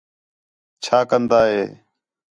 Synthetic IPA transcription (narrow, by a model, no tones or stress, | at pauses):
t͡ʃʰaːkənd̪aːɦeː